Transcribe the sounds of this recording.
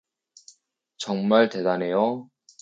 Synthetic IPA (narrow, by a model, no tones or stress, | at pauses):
t͡ɕʌŋmaɭte̞dane̞jo